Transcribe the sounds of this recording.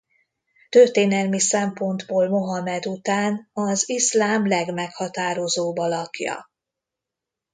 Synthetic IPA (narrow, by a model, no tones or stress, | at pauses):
t̪ørt̪eːnɛlmisɛmpo̞nd̪boːlmo̞ɦɒmɛd̪ut̪aːnɒzislaːmlɛɡmɛkhɒt̪aːɾozoːbɒlɒkjɒ̰